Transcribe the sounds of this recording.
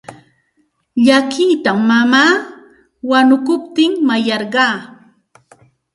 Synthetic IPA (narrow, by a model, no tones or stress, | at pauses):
ʎakiːt̪amːamaː | wanʊkʊpt̪ɪŋmajɑɾɢɑː